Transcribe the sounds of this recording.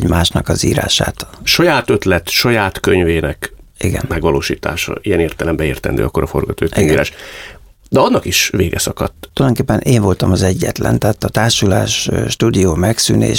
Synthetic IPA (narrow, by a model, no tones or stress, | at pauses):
ɟmaːʃnɒkɒziːɾa̰ːʃa̰ːt̪ʃɒjaːt̪øt̪lɛt̪ʃɒjaːt̪køɲveːnɛkʔiɡɛ̰nmɛɡʋɒloːʃiːt̪a̰ːʃɒ̰ijɛneːrt̪ɛlɛmbɛeːrt̪ɛ̰nd̪ø̰ːɒkːoɾɒfo̞rɡɒt̪oːiɡiːɾa̰ːʃ | d̪ɛɒnːɒkiʃveːɡɛsɒkɒt̪ːt̪uljdoŋkeːpːɛnʔeːɱvo̞lt̪ɒmɒzɛɟːɛ̰t̪lɛnt̪aːt̪ːɒt̪aːrʃulaːʃːt̪uːd̪ioːmɛksy̰nḛːʃ